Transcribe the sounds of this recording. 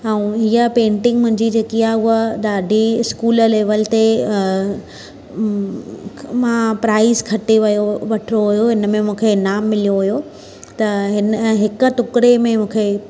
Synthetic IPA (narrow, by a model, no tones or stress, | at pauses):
ɛ̃ũiəpẽːɳʈɪ̃ŋɡmʊ̃ɦɪ̃ɲd͡ʑid͡ʑeːkiaːʊɦəɗ̪aːɖʱiɪskuːləleːʋəlt̪e | mãpɾaːɪzkʰɐʈeʋɐjoʋɐʈʰɪɾoɦʊjoɦɪnə̆mẽmũːkʰenaːmːɪlijoɦʊjo | t̪ɐɦɪnɦɪkə̆ʈʊkɪɾemẽmũːkʰe